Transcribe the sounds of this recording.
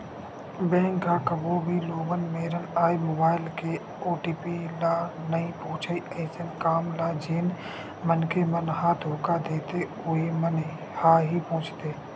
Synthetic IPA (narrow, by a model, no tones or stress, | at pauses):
bẽːŋkːakəbobʱiloːɡənmeːɾənaːimoːbaːɪlke | oːʈiːpilaːnəĩpõːt͡ʃʰəiəɪsənkaːmlaːd͡ʒeːn | mənkemənɦad̪ʱoːkad̪eːt̪e | ʊemən | haːɦipɔ̃ːt͡ʃʰt̪eː